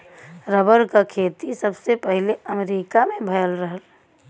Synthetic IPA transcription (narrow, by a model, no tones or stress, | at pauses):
ɾəbəɾkakʰeːt̪isəbsepəɦɪleəmeɾiːkamẽbʱəjəlɾəɦəl